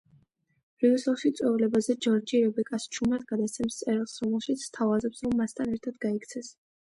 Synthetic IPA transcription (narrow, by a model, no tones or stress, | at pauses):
ɾiusalˠʃit̪sʼwɛvulɛbazɛd͡ʒɔɾd͡ʒiɾɛbɛkʼast͡ʃʰumat̪̚ɡad̪asʰɛmst̪sʼɛɾɛlˠsɾɔmɛlˠʃit̪sʰst̪ʰavazɛpsɾɔmːast̪ʰanɛɾt̪ʰad̪ɡaikʰt̪sʰɛs